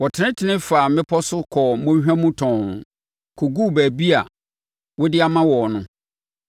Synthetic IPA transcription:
wɔ˨tʰɪ˨nɪ̃˦tʰɪ˨nɪ̃˦fa˨mɪ̃˦pʰɔ˦sʊ˦kʰɔ˨mõ˦ɦᶣã˦mũ˦tʰɔ̃˨n˨ | kʰo˨ɡu˦˨bæː˨bi˦a̰˨ | wɔ˦dɪ˦a˨mã˦wɔ˨nʊ̃˦

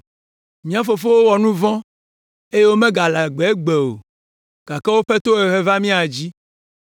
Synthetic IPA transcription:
mĩ˦a˨fo˨fo˦wo˦wɔ˨nũ˦vɔ̃˦ | e˦je˦wo˦mẽ˦ɡa˨la˨ɡ͡be˨e˦ɡ͡be˨o̰˨ | ɡ̥a˨kɛ˦wo˦ɸɛ˦t̪o˦e˨ɦe˦va˦mĩ˦a˨d͡ʑi˦

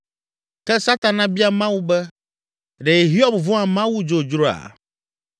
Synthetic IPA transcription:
kɛ˦sa˦t̪a˨nã˦bi˦a˦mã˦wu˦bɛ˦ | ɖɛ˨e˨ɦi˦ɔ˦bvɔ̃˦ã˨mã˦wu˦d͡ʒo˨d͡ʒɾo˦a̰˨

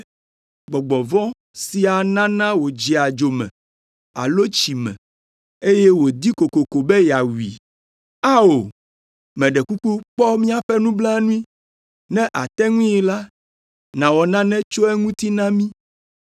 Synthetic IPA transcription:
ɡ͡bɔ˨ɡ͡bɔ˨vɔ̃˦ | si˨a˨nã˦nã˦wo˨d͡ʒi˨a˨d͡ʒo˨mɛ̰̃˨ | a̰˨lo˦t͡ʃi˨mɛ̰̃˨ | e˦je˦wo˨d̪i˦ko˨ko˨ko˨bɛ˦ja˨wi˨ | a˦o˨ | mɛ̃˨ɖɛ˨ku˦ku˦k͡pɔ˦mĩ˦a˨ɸɛ˦nũ˦bla˦nũ˦i˦ | nɛ̃˦ʔa˨t̪ɛ˦ŋũ˦i˨la˦ | nã˨wɔ˨nã˦nɛ̃˦t͡ʃo˦ɛ˦ŋũ˦t̪i˦nã˦mĩ˦

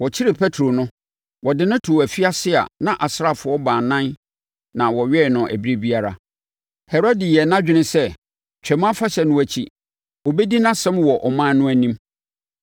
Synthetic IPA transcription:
wɔ˨t͡ɕʰɪ˦ɾɪ˨pʰɛ˦tʰɾo˨nʊ̃˦ | wɔ˨dɪ˨nʊ̃˦tʰʊ˨æ˨fi˦a˦sɪ˦a̰˨nã˨ʔa˨sɾa˨fʊ˨˦ɔ˦bãː˨nã˦n | nã˨wɔ˨ɥɛ˦˨nʊ̃˨ʔæ̰˨bi˦ɾe˦bi˦a˦ɾa̰˨ | hɛ˨ɾɔ˦dɪ˨jɛ˨nã˦d͡ʑᶣɪ˦nɪ̃˦sɛ˦ | t͡ɕᶣɛ˨mã˦fa˦ɕɛ˨nʊ̃˦æ˨t͡ɕʰḭ˦ | o˨bɛ˦di˦nã˦sɛ̃˦mwɔ˨ʔɔ˨mãː˦nʊ̃˦æ˨nĩ˦m

